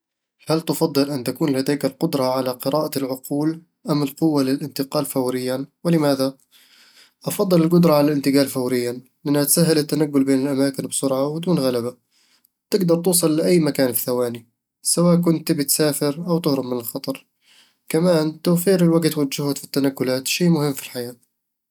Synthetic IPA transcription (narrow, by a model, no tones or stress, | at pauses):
halt̪ɑfɑd̪ˤːɨlʔant̪akuːnlhad̪aːkalqʊd̪ɾˤɑʕalaqɨɾaːʔalʕʊquːl | ʔamɪlqʊwːalɪlʔɪnt̪ɪqɑːlfawɾɪjːawɪlɪmaːða | ʔɑfɑd̪ˤːɨlɪlɡʊd̪ɾˤɑʕalalʔɪnt̪ɪɡaːlfawɾɪjːa | lʔanːat̪saɦːɪlɪt̪ːanaɡːʊlbeːnɪlʔamaːkɪnbsʊɾʕawɪd̪uːnɣalaba | t̪ɪɡd̪ɑɾˤt̪uːsˤɑlːɪʔajːmakaːnθawaːni | sawaːʔk̬ʊnt̪bɪt̪saːfɪɾʔawt̪ʊhɾʊmmɪnɪlxɑt̪ˤɑɾˤ | kamaːnt̪awfiːɾɪlwaɡt̪wad͡ʒːʊhʊt̪fi̥t̪ːanaɡːʊlaːt̪ʃiːmʊhɪmːfi̥lħajaːt̪